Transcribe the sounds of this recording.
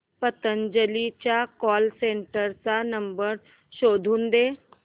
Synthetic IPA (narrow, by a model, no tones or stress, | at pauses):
pət̪ənd͡ʑəlit͡ɕjakɔlseɳʈəɾt͡sanəmbəɾ | ɕod̪ʱuːnd̪e